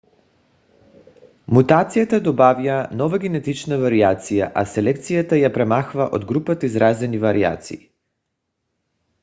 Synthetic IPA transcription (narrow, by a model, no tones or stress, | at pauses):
mut̪at̪sijat̪ad̪ɔbavijanɔvaɡʲɛnɛt̪it͡ʃnavaɾiat̪sijaʔasɛlɛk̚t̪sijat̪ajapɾɛmaxvaʔod̪ɡɾupat̪aizɾazɛnivaɾia̰t̪sḭi